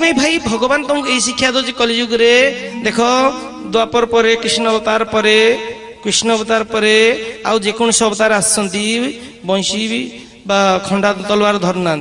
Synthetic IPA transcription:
mejbʱajbʱɔɡɔbant̪ɔmkejsikʰjad̪ɔd͡ʒekɔlid͡ʒuɡɾed̪ekʰɔ | d̪uapɔɾpɔɾekɾisnɔbɔt̪aɾpɔɾe | kɾiʃnɔbɔt̪aɾpɔɾea̰wd͡ʒekoñɔsɔbt̪aɾeassʰɔnt̪i | bɔj̃ʃi | bakʰɔɳɖat̪ɔlwaɾd̪ʱɔɾnant̪

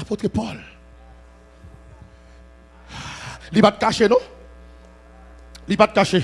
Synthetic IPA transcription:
pot̪kepɔl | lipat̪̚kaʃenɔ̃ | lipat̪̚kaʃe

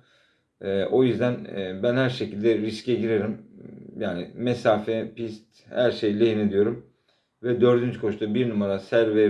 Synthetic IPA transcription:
ɛːʔo̞jyzd̪ænːbænhæɾʃecilʲd̪ɛɾiscɛɟiɾeɾimjaːnɪ̰mɛsaːfɛpist̪ | hæɾʃejlʲejined̪ijo̞ɾum | vɛd̪ø̞ɾd̪ynt͡ʃkʰo̞ʃt̪abiɾnumaɾasæɾvɛ

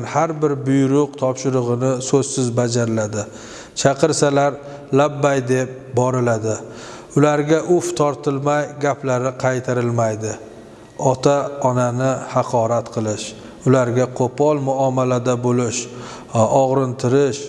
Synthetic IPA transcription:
nhaɾbɪɾbʊjɾʊqt̪ʰɒpʃɪɾʊʁɨnɪsɵzsɪzbad͡ʒaɾɪlad̪ɪ | t͡ʃʰɑqʰɨɾsalaɾ | labːajd̪e̞p̚ | bɒɾɪlad̪ɪ | ʊlaɾɡʲaʔʊft̪ʰɒɾt̪ʰɪlmajɡʲaplaɾɪqʰɑjt̪ʰaɾɪlmajd̪ɪ | ɒt̪ʰaɒnanɪhɑqʰɒɾat̪qʰɨlˠɪʃ | ʊlaɾɡʲaqʰopʰɒlˠmʊamalad̪abolɪʃ | ɒʁɾɨnt̪ʰɪɾɪʃ

